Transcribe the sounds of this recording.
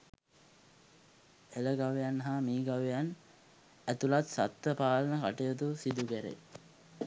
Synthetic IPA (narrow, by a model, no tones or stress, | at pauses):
eləɡaʋejanːɦamiːɡaʋejan | æt̪ulat̪sat̪ːəpaːlənəkaʈejot̪usid̪uɡæɾḛ